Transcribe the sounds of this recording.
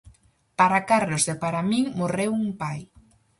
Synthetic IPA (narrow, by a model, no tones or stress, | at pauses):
paɾakaɾlozðepaɾamiŋmorewuŋpaj